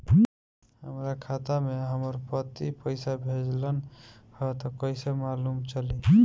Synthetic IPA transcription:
həmɾakʰat̪ameɦəməɾpət̪ipəɪsabʱed͡ʒlən | hət̪ɔkəɪsemalumt͡ʃəli

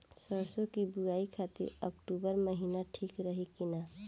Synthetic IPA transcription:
səɾsõkibʊɾaːikʰaːt̪ɪ̰ɾə̰kʈuːbəɾməɦiːnaʈʰiːkɾəɦikɪnaː

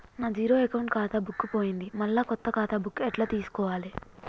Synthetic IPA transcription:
naːd͡ʒiːɾo̞ːekɐwɳʈkaːt̪abʱukːupo̞ːjind̪imɐɭːaːkɔt̪ːɐkaːt̪abʱukːɛʈlaːt̪iːsu̥kɔːʋaːli

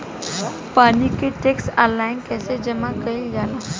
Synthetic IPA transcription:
panikeʈeksalajnkɛsed͡ʑəmakəild͡zala

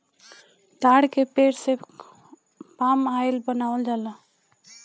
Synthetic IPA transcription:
d̪aːɽkepeːɾse | paːmaːɪlbənaːwəld͡ʒaːla

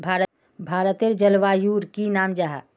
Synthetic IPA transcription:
bʱaːɾə | bʱaːɾət̪eɾd͡ʒəlʋaːjuːɾkinaːmd͡ʒaɦa̰

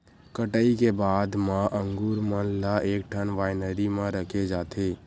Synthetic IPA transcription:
kəʈəikebaːd̪mãʔəŋɡuɾmənlaeːk̚ʈʰənʋaːɪnəɾimãɾəkʰed͡ʒaːt̪ʰe

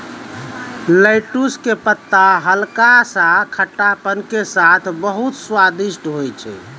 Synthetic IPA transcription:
ləjʈuskepət̪ːaɦəlkasakʰəʈːapənkesat̪ʰbəɦut̪swad̪iʃʈɦojt͡ʃʰɛ̰

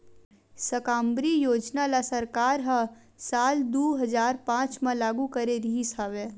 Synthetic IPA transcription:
səkãːmbɾijoːd͡ʒnalasɐɾkaːɾɦã | saːld̪uːɦɐzaːɾpãːt͡ʃmãlaːɡukɐɾeɾiɦisaʋeː

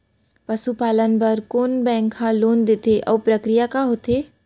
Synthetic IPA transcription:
pɐsupaːlənbɐɾkoːnbɛ̃ːŋkhãloːnd̪eːt̪eʔɔːpɾəkɾijakaɦoːt̪eː

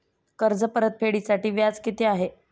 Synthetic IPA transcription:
kəɾd͡zəpəɾət̪̚pʰeɽisaʈiːʋjad͡zket̪eaɦe

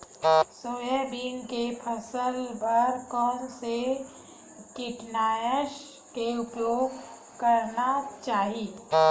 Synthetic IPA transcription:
soːjəbiːnkepʰəsəlbəɾkɔːnse | kɪʈnaːjəʃ | keʊpjoːɡ | kɐɾnat͡ʃaːɦiː

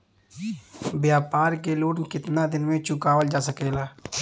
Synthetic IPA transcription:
bjaːpaːɾkeloːnkɪt̪nad̪ɪnmẽt͡ʃʊkaːwəld͡ʒaːsəkeːlaː

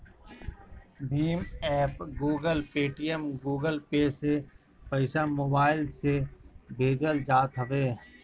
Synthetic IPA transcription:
bʱiːmɛːpɡuːɡəlpeːʈijəmɡuːɡəlpeːse | pəɪsamoːbaːɪlsebʱeːd͡ʒəld͡ʒaːt̪ɦəʋeː

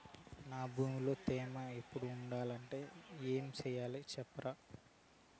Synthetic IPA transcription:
naːbuːmlo̞ːt̪ɛːmaepːuɽuːɳɖaːlɐɳʈe̞ːeːmit͡ʃɛːjaːlit͡ʃɛpːɐɾa

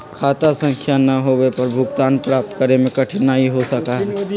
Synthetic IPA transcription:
kʰaːt̪asə̃ŋkʰjanɐɦowepɐɾbʱʊɡt̪aːnpɾaːp̚t̪kəɾemẽkɐʈʰɪnaɦiɦosɐkaɦɛː

